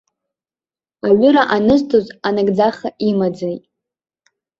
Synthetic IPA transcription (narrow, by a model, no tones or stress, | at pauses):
aɥʏɾaʔanɨztʰozanaɡʼd͡zaχaʔimad͡zajtʼ